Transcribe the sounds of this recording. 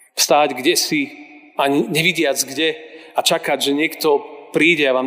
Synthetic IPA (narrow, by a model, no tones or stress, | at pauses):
fst̪aːɟɡɟɛsi | aɲɲɛʋiɟɪad͡zɡɟɛat͡ʃakaɟʒɛɲɪɛkt̪ɔpɾiːɟɛaʋaː